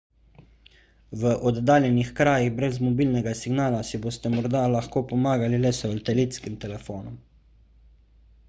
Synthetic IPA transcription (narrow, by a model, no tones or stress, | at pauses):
ʋəʔɔd̪d̪aːljɛnixkɾaːjiɣbɾɛzmɔbiːlnɛɡasiɡnaːlasiboːst̪ɛmɔɾd̪alaxkoːpɔmaːɡalilɛsɛɔlt̪ɛlit̪skimt̪ɛlɛfoːnɔm